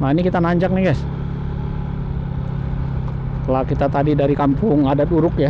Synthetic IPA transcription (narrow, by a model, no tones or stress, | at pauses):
mainikit̪anaɲd͡ʒak̚naɡajs | kəlakit̪at̪adidaɾikampʊŋadat̪uɾʊkja